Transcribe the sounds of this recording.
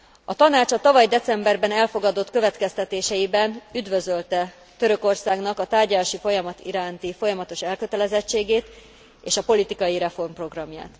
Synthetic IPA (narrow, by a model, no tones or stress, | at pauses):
ɒt̪ɒnaːt͡ʃɒt̪ɒvɒjd̪ɛt̪sɛmbɛrbɛnɛlfo̞ɡɒd̪o̞t̪kø̞vɛt̪kɛst̪ɛt̪eːʃɛjibɛnyd̪vø̞zø̞lt̪ɛ | t̪ø̞ɾø̞ko̞rsaːɡnɒkɒt̪aːrɟɒlaːʃifo̞jɒmɒt̪ḭɾaːnt̪ifo̞jɒmɒt̪o̞ʃɛlkø̞t̪ɛlɛzɛt͡ʃːeːɡeːt̪ | eːʃɒpo̞lit̪ikɒjiɾɛfo̞rmpro̞ɡrɒmja̰ːt̪